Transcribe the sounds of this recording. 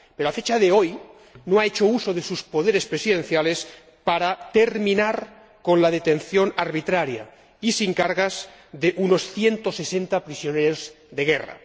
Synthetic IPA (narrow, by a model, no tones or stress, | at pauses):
peɾoafet͡ʃaðeoj | noaet͡ʃousoðesuspo̞ðeɾespɾesiðẽ̞nθjales | paɾat̪eɾmĩnaɾ | ko̞nlaðet̪enθjo̞naɾβit̪ɾaɾja̰ | isiŋkaɾɣaz | ðeʔuno̞sθje̞nt̪ose̞sent̪apɾisjoneɾooz | ðeɣ̞era̰